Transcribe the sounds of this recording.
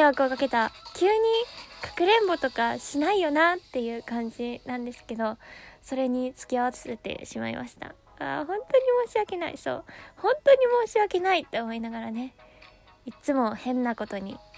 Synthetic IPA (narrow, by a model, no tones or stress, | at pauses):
βakɯokake̞t̪akʲɯːɲ̟ikḁkɯ̟ɾẽ̞mbo̞t̪o̞kaɕinaijo̞nat̪ːe̞jɯ̟ːkãɲ̟d͡ʑinãnd̪e̞sɨ̥ke̞d̪o̞so̞ɾe̞ɲ̟it͡sɨ̥kʲiaβat͡sɨ̥se̞t̪ḛɕima̰ḭmʔa̰ɕi̥t̪a̰ | a̰hõ̞nt̪o̞ɲ̟imo̞ːɕiβake̞naḭso̞̰ːhõ̞nt̪o̞ɲ̟imo̞ːɕiβake̞nait̪ːe̞omo̞inaɡaɾane̞ | itt͡sɨmo̞hẽ̞nːako̞t̪o̞ɲ̟ḭ